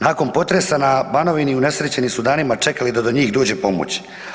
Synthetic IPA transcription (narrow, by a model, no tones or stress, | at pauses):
naːko̞npo̞t̪ɾesanabano̞ʋiniune̞sɾet͡ɕe̞nimsud̪aːnimat͡ʂe̞kalid̪ad̪o̞ɲiːxd̪oːd͡ʑe̞po̞mo̰t͡ɕ